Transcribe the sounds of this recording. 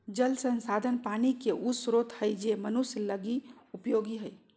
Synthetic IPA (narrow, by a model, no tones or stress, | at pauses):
d͡ʒəlsənsad̪ʱənpanikeʔusɾot̪həjd͡ʒemənusləɡiupjoɡiɦəj